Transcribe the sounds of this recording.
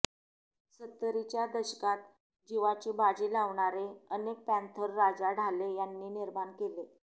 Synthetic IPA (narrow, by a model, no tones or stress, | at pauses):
sət̪ːəɾit͡ɕjad̪əɕə̥kat̪ | d͡ʑiʋat͡ɕiːbad͡ziːlaʋɳaɾeənek̚pænt̪ʰəɾːad͡zaɽʱalejanːiːniɾmaɳkele